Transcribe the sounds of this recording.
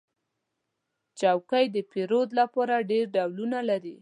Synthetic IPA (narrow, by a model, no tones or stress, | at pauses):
t͡ʃawkajd̪əpeɾod̪lapɑɾaɖeɾɖawlunalaɾi